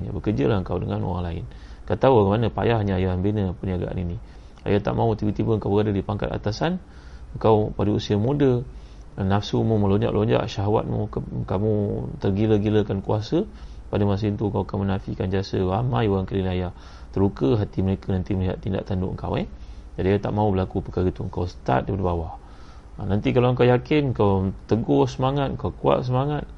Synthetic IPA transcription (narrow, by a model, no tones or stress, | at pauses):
ɲa̰bəkərd͡ʒəlahəŋkawdəŋano̰ɾa̰ŋlaɪ̰n | kət̪awaɡamanəpa̰jaɦaɲaajahambeɲəpəniaɡa̰ʔa̰nini | a̰jat̪a̰ʔmãut̪ibət̪ibəəŋkawbəɾadədipaŋka̰t̪a̰t̪asan | əŋkawpadəusiamudə | nafsumuməloɲd͡ʒa̰ʔlʔoɲd͡ʒa̰ʔʃaɦawa̰t̪̚mṵkamut̪ərɡiləɡiləkankuasəpadəmas̬əint̪uəŋkawakanmənafikand͡ʒiasəwamajoɾaŋkəlinaja | t̪əɾukəɦat̪iməɾekənant̪iməliɦa̰t̪ːinda̰ʔt̪andʊ̰ʔəŋka̰wɛhd͡ʒadiat̪a̰ʔmãubəlakupəkaɾət̪uəŋkawsə̥t̪a̰t̪̚dipadəbawa | nant̪ikalaəŋkawjakɪnŋkawt̪əɡɔsəmaŋat̪̚ŋkawkua̰ʔs̬əmaŋat̪̚